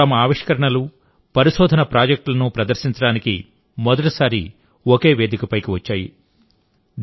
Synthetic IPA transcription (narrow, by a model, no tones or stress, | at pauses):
ɐmɐaːʋiʂkɐɾɐɳɐlu | pɐɾiʃɔːd̪ʱɐnɐpɾaːd͡ʒɐk̚ʈlɐnupɾɐd̪ɐɾʃiɲt͡ʃɐɽaːniki | mɔd̪ɐʈisaːɾi | oke̞ːʋe̞ːd̪ʱikɐpɐjkiʋɐt͡ʃːaːjḭ